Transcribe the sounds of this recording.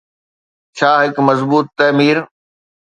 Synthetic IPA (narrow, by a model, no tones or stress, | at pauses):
t͡ɕʰaːɦɪkmɐzbuːt̪ːɐːmiːɾ